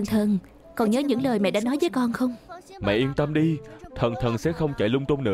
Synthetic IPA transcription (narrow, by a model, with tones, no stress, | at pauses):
nt̪ʰə˨˩n | kɔ˨˩nɲəː˨˦ɲɨ̰˧˥ŋləː˨˩jmɛ̰˧˨ɗaː˧˥nɔ˨˦jvəː˨˦jkɔ˧nxə˧wŋ͡mmɛ̰˧˨ʔi˧mt̪ə˧mɗi˧t̪ʰə˨˩nt̪ʰə˨˩nsɛ̰˧˥xə˧wŋ͡mt͡ɕa˧˩jlʊ˧ŋ͡mt̪u˧ŋ͡mnɨ̰˧˥